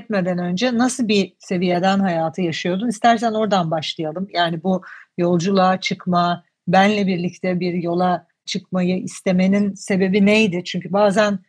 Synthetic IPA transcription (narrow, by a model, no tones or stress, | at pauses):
ɛt̪me̞d̪ænø̞nd͡ʒɛnasɯlˠbise̞vijed̪ænɦajaːt̪ʰɯjaʃɯjo̞d̪unist̪ʰæɾs̬æno̞ɾd̪anbaʃlˠɯjalˠɯmjaːnibujo̞lˠd͡ʒulˠat͡ʃʰɯkma | bænlʲɛbiɾlʲict̪ʰɛbiɾjo̞lˠa | t͡ʃʰɯkmajɯʔist̪e̞me̞ninse̞be̞binejd̪ɪt͡ʃʰyɲcʰybaːzæn